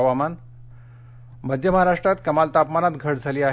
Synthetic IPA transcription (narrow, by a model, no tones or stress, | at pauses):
ʋaman | məd̪ʱjəməɦaɾaʂʈɾat̪kəmalt̪apmanat̪ɡʱəɽd͡zʱaliːa